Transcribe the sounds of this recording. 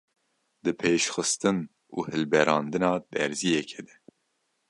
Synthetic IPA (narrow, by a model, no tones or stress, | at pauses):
d̪ɨpʰeːʃxɨst̪ɨn | uːhɨlbɛɾɑːnd̪ɨnɑːd̪ɛɾzijɛkʰɛd̪ɛ